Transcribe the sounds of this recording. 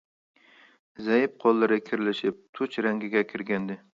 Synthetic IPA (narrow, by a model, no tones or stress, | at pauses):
zajɪp̚qʰɒlˠːɪɾɪkʲʰɪɾɪlɪʃɪp̚t̪ʰʊt͡ʃɾaŋɡʲɪɡʲakʲʰɪɾɡʲand̪ɪ